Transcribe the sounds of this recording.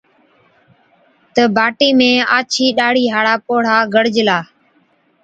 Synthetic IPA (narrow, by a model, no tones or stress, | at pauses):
t̪əbʱaːʈiːmẽːaːt͡ʃʰiːɗaːɽ̤iːɦaːɽaːpoːɽ̤aːɡəɽd͡ʒlaː